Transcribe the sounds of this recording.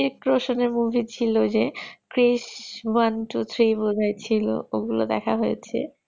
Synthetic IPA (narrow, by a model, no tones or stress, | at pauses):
iɾkɾoʃoneɾmubʱit͡ɕʰilod͡ʑekɾiʃwanʈut̪ʰɾibodʱaet͡ɕʰilo̰oɡulo̰d̪ɛkʰaɦojet͡ɕʰḛ